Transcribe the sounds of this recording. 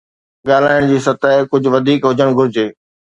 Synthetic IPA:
ɠaːl̤aːɪɽ̃d͡ʑiːsɐt̪aːkʊd͡ʑʱʊ̆ʋɐd̪ʱiːkɦʊd͡ʑəɽ̃ɡʱʊɾɪd͡ʑeː

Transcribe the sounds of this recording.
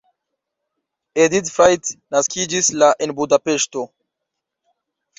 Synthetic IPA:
edidfɾajtnaskʰid͡ʒislaʔenbudape̞ʃto̞

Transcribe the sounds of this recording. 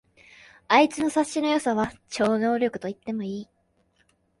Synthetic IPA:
ait͡sɨno̞saɕːino̞jo̞saβat͡ɕo̞ːno̞ːɾʲo̞kɯ̟t̪o̞it̪ːe̞mo̞iː

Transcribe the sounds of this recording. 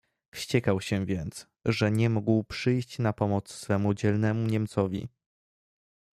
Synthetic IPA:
fɕt͡ɕɛkawɕɛvʲjɛnt̪s | ʐɛɲɛmuɡwpʂɘjɕt͡ɕnapɔmɔt̪sːfɛmud͡ʑɛlnɛmuɲɛmt̪sɔvʲḭ

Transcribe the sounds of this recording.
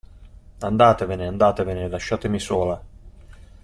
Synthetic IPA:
and̪aːt̪evɪneand̪aːt̪evenɪlaʃːaːt̪ɪmisoːla

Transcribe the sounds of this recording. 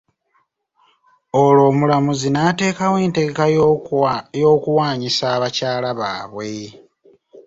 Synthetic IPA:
olo̞ːmulamuzinate̞ːkawe̞ːnte̞ɡeka | jo̞ːkuwaːɲisaːβacaːlaβa̰ːβwe̞

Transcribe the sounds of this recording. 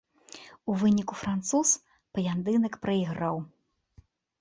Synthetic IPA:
uvɨnʲikufɾant̪sus | pɐjʲand̪ɨnɐkpɾɐiɣɾaw

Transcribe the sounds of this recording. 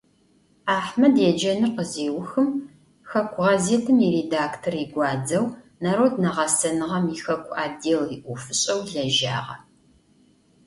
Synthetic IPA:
aːħmɐdeːd͡ʒɐnɨqəzeːwʊxɨm | xɐkʷʰʊʁɐzeːtʰɨmiredaːktʰoriɡʷɑːd͡zɐw | naːɾoːdnɐʁɐsɐnɨʁɐmixɐkʷʰaːdeːliʔʷʊfɨɕʼɐwɮɐʒa̰ːʁɐ̰

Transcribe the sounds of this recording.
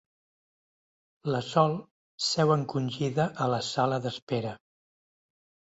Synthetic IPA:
ləsɔlˠ | sɛwəŋkunʲʒiðəʔələsaləðəspeɾə

